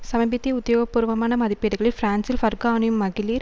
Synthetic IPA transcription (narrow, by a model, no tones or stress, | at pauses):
sɐmɐbɪt̪ːijɐʊd̪ːɐjoːɡɐpːuɾɐʋɐmaːnɐmɐðɪpːiɾɣɐɭɪlfɾaːnsɪlfɐɾɡaːnjɯmːɐɣɪliːɾ